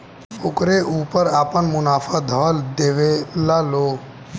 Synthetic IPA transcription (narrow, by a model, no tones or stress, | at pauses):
ʊkɾeʔuːpəɾaːpənmʊnaːfʰad̪ʱəld̪eːʋelaloː